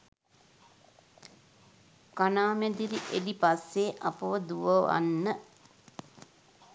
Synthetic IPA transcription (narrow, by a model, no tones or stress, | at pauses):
kanaːmed̪iɾiʔedipasːeːʔapəʋəd̪uʋəʋa̰nːə